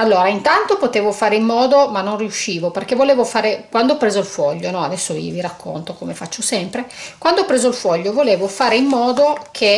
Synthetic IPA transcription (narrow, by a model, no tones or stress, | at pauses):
alːoːɾaint̪ant̪opot̪eːvofaːɾeimːɔːd̪omanːonriuʃːiːvoperkevoleːvofaːɾekwand̪oɔpːɾeːzoilfɔʎːonɔad̪ɛsːovḭviɾakʰːo̰nt̪okomefat͡ʃːosɛmpɾekwand̪oɔpɾeːzoilfɔʎːovoleːvofaːɾeimːɔːd̪okʰe